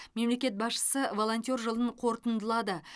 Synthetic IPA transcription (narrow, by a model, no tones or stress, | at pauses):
me̞mle̞kʲe̞t̪̚bɑsʃə̥səvo̞lˠo̞nt̪ʲjo̞rʒəlˠəɴqʰo̞ɾt̪ənd̪əlˠɑd̪ə